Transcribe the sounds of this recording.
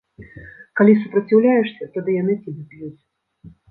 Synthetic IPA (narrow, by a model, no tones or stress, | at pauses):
kalʲis̬upɾɐt͡sʲiwlʲajɛʂsʲɐt̪ad̪ɨjanɨt͡sʲibʲɛplʲuzʲ